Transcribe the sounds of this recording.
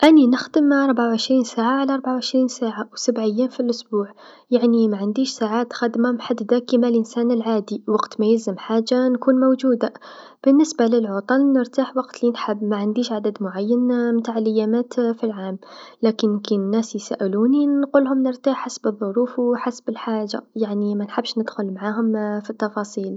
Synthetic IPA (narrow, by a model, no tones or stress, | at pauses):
ʔænːinəxd̪əmɑɾˤbʕawʕəʃɾiːnsaːʕaʕalaʔɑɾˤbaʕawʕəʃɾiːnsaːʕawsabʕəjːafilʔʊsbuːʕ | jaʕnimaʕand̪iːʃsaʕaːt̪xad̪mamħad̪d̪akimalʔɪnsaːnəlʕaːd̪iwɑɡt̪mæjɪlzəmħaːʒːankuːnmʊwʒuːd̪a | b̥ɪnːɪsbalɪlʕʊt̪ˤɑlnɪɾt̪aːħwɑqt̪linħabːmaʕand̪iːʃʕad̪ad̪mʊʕajːanmt̪aːʕɪlɪjːamaːt̪filʕaːmlaːkɪnkinnːæːsjsa̰ːʔɪluːninqʊlhʊmnɪɾt̪aːħːasbɨðˤːʊɾˤuːfwħasbɪlħaːʒːa̰jaʕnimænħabːʃnəd̪̥xʊlmaʕaːɦʊmfit̪ːɑfɑsˤiːl